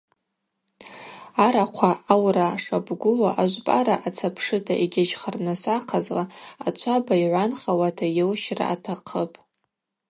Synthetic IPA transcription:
aɾaqʷʰaawraʂabɡʷʊlaʔaʒʷpʼaɾaʔat͡sʰapʰʂɨtʰaʔiɡʲad͡ʒχarnasaqʰazlaa̰t͡ʃʷʰabaiʕʷanχawatʰajewʃra̰ːtʰaqʰəpʼ

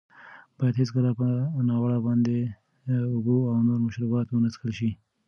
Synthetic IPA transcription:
b̥ɑjad̪ɦɪsɡəlapənɑwaɽabɑnd̪e | ʊboawnoɾmaʃɾubɑt̪wənəskəlʃi

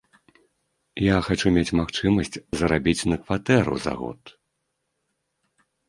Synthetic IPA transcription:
jaxat͡ʂumʲet͡sʲmaxt͡ʂɨmɐsʲt͡sʲzɐɾabʲit͡sʲnɐkvat̪ɛɾṵza̰ɣɔ̰t̪

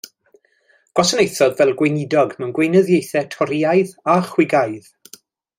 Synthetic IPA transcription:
ɡ̥wɔsənejθɔðvɛlˠɡwejnɪdɔɡmənɡwejnəðjejθɛtʰɔɾiajðaχwɪɡajð̥

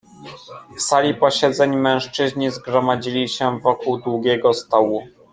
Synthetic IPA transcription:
fsalʲipɔɕɛd̪zɛɲmɛ̃w̃ʂt͡ʂɘʑɲizɡɾɔmad͡ʑilʲiɕɛvɔkuwd̪wuɡʲɛɡɔst̪ɔwu

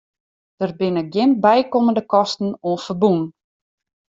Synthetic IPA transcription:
d̥ərbɪnəɡjɪnbɛjkoməndəkɔstn̩oənfərbun

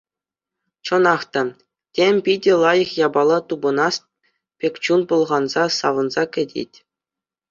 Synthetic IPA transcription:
t͡ɕɤ̆nɑχt̪ɑ | tʲemʲpʲidʲɘ̆lˠɑjɤ̆χjɑbɑlˠɑt̪ubɤ̆nɑst̪̚ | pʲekʲt͡ɕunpulˠʁɑnzɑsɑʋɤ̆nzɑkʲɘ̆dʲḛtʲ

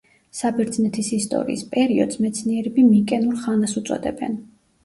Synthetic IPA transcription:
sabɛɾd̪znɛt̪ʰisist̪ʼɔ̰ɾḭːspʼɛɾiɔ̰d̪̥smɛt̪sʰniɛɾɛbimikʼɛnuɾχanasut̪sʼɔ̰d̪ɛ̰bɛ̰n

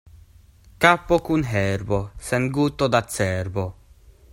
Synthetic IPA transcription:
kapːokunɦɛrbosɛnɡut̪ːod̪at̪sːɛrbo

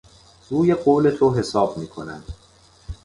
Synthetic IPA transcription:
ɾuːje̞ɢoːle̞t̪ʰoɦe̞sɒːb̚miːkʰo̞næ̰nd̪̥

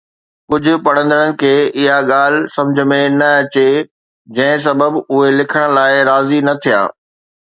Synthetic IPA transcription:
kʊd͡ʑʱʊ̆pɐɽ̤̃ə̃nd̪əɽənɪ̆kʰeːʔɪɦaɠaːl̤sɐ̃md͡ʑʱəmẽnɐɐt͡ɕe | d͡ʑɐ̃ɦɪ̃s̬ɐbəbʊɦelɪkʰəɽ̃laːɪɾaːzinɐt̪ʰija̰ː

